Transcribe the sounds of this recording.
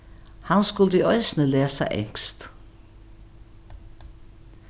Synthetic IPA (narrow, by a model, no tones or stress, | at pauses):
hanskʉlt̪əiœʏsnəleːsa̰ʔɛ̰ŋkst̪